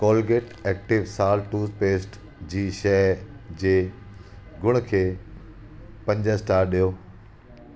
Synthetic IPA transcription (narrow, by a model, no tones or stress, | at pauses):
kɔːlɡeːʈɛːk̚ʈɪʋsaːlʈuːspeːsʈ | d͡ʑiːʃɛd͡ʑeː | ɡʊɽ̃kʰeː | pɐ̃ɲd͡ʑəsʈaːɾɗijoː